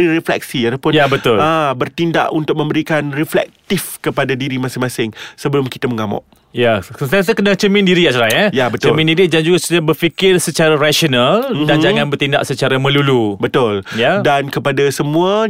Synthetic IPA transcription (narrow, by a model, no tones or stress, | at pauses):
iɾəflɛ̰k̚siat̪apʊjabət̪ʊlabərt̪inda̰ʔunt̪ʊk̚mə̃mbəɾikanriflɛ̰k̚t̪ɪfkəpadadiɾimasɪŋmãsɪŋsəbəlʊmki̥t̪aməŋamɔ̰ʔ | jakət̪at̪̬akənat͡ʃəmɪ̃ndiɾiat͡ʃaɾaɲajabətt͡ʃ̪əmɪ̃ndiɾid͡ʒand͡ʒuɡasudabərfikɪrsət͡ʃaɾaɾaʃonaldand͡ʒaŋanbərt̪inda̰ʔsət͡ʃaɾamə̃lulubət̪ʊljadankəpadasəmũə